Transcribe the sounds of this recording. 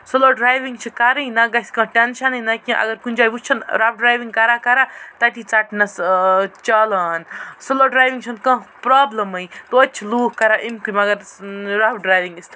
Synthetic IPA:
soloːɖɾaːjʋiŋɡt͡ʃʰikɐɾĩjnɐɡɐsʲkɐ̃ʈʲɐnʃɐnĩnɐkĩʔɐ̰ɡɐɾkund͡ʒaːjbut͡ʃʰɐnɾab̚ɖɾaːjʋiŋɡkɐɾakɐɾat̪ɐt̪it͡saʈnɐst͡ʃɐlaːnsoloɖɾaːjʋiŋɡt͡ʃʰɐnkɐ̃ɦpɾaːblɐmɐjt̪ootːt͡ʃʰiluːhkɐɾaʔimkumɐɡɐɾɾabɖɾaːjʋiŋɡist̪ʰ

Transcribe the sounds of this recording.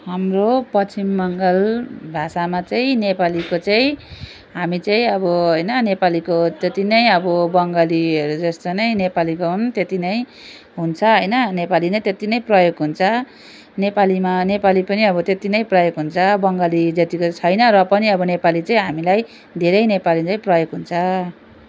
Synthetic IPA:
ɦamropʌt͡simːʌŋɡʌlbʱasamat͡sʌĩnepalikot͡sʌĩ | ɦamit͡sʌĩʌbʌɦʌjnʌnepalikot̪et̪inʌj̃ʌbʌbʌŋɡʌliʌɾud͡zʌst̪ʌnʌj̃nepalikoɦunt̪et̪inʌj | ɦunt͡sʰʌɦʌjnʌnepalinʌjt̪et̪inʌj̃prʌjoɡɦunt͡sʰʌ | nepalimanepalipʌniʌbʌt̪et̪inʌj̃prʌjoɡɦunt͡sʰʌbʌŋɡalid͡zʌt̪ikot͡sʰʌjnʌrʌpʌniʌbʌnepalit͡sʌĩɦamilaj | d̪ʱeɾʌjnepalit͡sãj̃prʌjoɡɦunt͡sʰʌ

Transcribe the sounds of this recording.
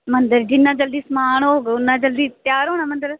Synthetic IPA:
mɐ̃nd̪əɾd͡ʒɪnːãːd͡ʒɐld̪iːsmaːɳ̃oːɡʊnːãːd͡ʒɐld̪iːt̪jaːɾɦoːñãmɐ̃nd̪əɾ

